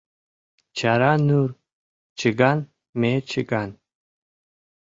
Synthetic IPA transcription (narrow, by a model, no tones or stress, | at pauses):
t͡ʃʰaɾanur | t͡ʃʰɨɡan | met͡ʃʰɨɡan